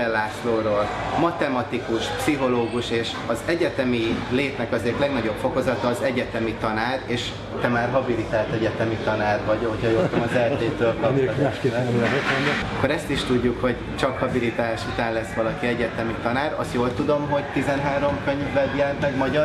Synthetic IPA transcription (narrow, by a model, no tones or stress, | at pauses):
ɛlːaːsloːɾoːl | mɒt̪ɛmɒt̪ikuʃpsiɦo̞loːɡuʃeːʃ | ɒzɛɟɛt̪ɛmileːt̪nɛkɒzeːrt̪lɛɡnɒɟo̞pfo̞kozɒt̪ɒːzɛɟɛt̪ɛmit̪ɒnaːɾeːʃ | t̪ɛmaːrɦɒbilit̪aːlt̪ɛɟɛt̪ɛmit̪ɒnaːrvɒɟhochɒjoːt̪omɒzɛlt̪eːt̪øːlkɒpː | ɛt̪oɲd̪okːo̞ɾɛst̪iʃt̪uɟːukho̞ɟ | t͡ʃɒkhɒbilit̪aːʃut̪aːnlɛsːʋɒlɒkiɛɟɛt̪ɛmit̪ɒnaːɾɒ̰st̪joːlt̪ud̪o̞mɦo̞ɟt̪izɛnɦaːɾo̞mkøɲvːɛbjɛːmɛɡmɒɟɒ